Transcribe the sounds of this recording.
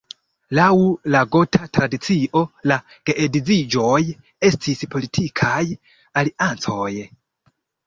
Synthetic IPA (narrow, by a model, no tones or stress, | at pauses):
lawulaɡo̞tʰatɾadit͡siʔo̞la | ɡ̥eʔedid͡zid͡ʒo̞j | e̞stʰispʰo̞litʰikʰaj | aliʔant͡so̞j